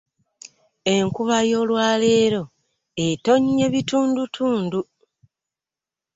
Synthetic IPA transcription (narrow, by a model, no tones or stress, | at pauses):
e̞ŋkuβajo̞ːlwaːle̞ɾo̞ | eto̞ɲe̞βituːndutʰuːndu